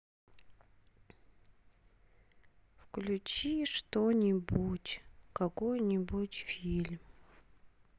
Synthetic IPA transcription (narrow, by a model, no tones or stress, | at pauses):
fklʲʊt͡ɕiʂt̪onʲɪbutʲkɐkojnʲibutʲfʲilʲm